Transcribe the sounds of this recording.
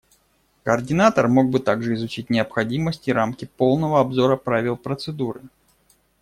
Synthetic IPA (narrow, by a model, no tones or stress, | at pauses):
kərdʲɪnat̪ərmo̞ɡ̚bɨt̪aɡʐɨɪzʊt͡ɕit̚ʲnʲɪəpxɐdʲiməsʲtʲɪɾamkʲɪpo̞lˠnəvəɐbzo̞ɾəpɾavʲɪlˠpɾət̪sɨd̪uɾɨ